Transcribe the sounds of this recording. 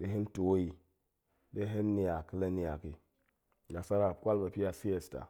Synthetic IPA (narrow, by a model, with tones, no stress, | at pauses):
ɗe˦ɦi˦nto˨wji˨ | ɗe˦ɦe˦nːi˨ja˨ki˦la˦ni˨ja˨ki˨ | ɡa˨sa˦ɾa˨kʷa˦lba˨pi˦a˨si˦je˨sta̰˨